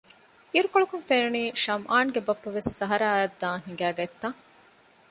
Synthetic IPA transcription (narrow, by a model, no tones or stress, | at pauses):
iɾukoɭukunfenuniːʃɐmʔaːnɡebɐpːɐʋesːɐɦɐɾɐːɐd̪ːãːŋɦiŋɡæːɡɐet̪ːɐŋ